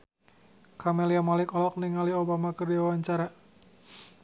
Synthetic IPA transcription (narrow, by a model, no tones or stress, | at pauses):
kamɛliamalɪkɔlɔk̚niŋaliobamakərdiawaɲt͡ʃaɾa